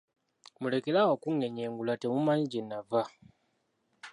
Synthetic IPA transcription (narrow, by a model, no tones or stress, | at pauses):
mule̞kelawokuŋe̞ɲeːŋɡulatemumaɲiɟenːava